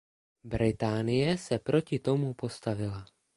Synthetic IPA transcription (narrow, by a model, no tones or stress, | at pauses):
bɾɪt̪aːnɪjɛsɛpɾo̞cɪt̪o̞mupo̞st̪avɪla